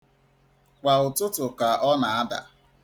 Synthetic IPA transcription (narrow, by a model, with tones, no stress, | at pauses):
kʷa˨ʊ˨tʊ˦tʊ˨ka˨ʔɔ˦na˨a˦da̰˨